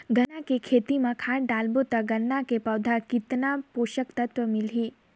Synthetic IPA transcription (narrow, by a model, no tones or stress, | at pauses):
ɡənakekʰeːt̪imãkʰaːɽɖaːlbot̪ɐɡɐnːakepɐʋd̪ʱakit̪napoːʃəkt̪ɐt̪ʋəmɪlɦiː